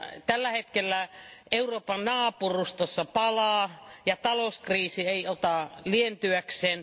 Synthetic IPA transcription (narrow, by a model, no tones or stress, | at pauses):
t̪ælːæhet̪kelːæeuroːpɑnnɑːpurust̪osːɑpɑlɑːjɑt̪ɑlouskriːsieiot̪ɑlient̪yækseːn